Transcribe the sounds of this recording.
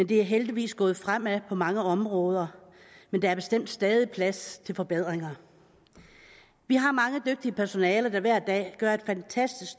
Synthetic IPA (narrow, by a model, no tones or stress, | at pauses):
mend̥e̝æɐɦeld̥iʋḭːsɡ̥ɔ̽ːð̞̩ˠfʁam̰æpʰɒ̽mɑ̈ŋəɒ̽mʁɔ̽ːð̞ˠɐ | mend̥ɑæɐb̥e̝sd̥em̰d̥sd̥ɛːð̞ˠipʰlæst͡sʰe̝lfɒ̽b̥e̝ð̰ˠʁeŋɐ | ʋiɦɑ̈mɑ̈ŋəd̥øɡ̥̚d̥iəpʰæɐso̝nɛːlɐd̥æʋæɐ̰d̥ɛ̰ːɡ̥ɶɐe̝d̥fænt͡sʰæsd̥isɡ̥